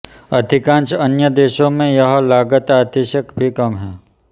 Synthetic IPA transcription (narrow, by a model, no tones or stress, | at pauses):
ɐd̪ʱɪkãːnt͡ʃənjəd̪eːʃõmẽjɐɦlaːɡət̪aːt̪iʃəkbʱikɐmɦɛː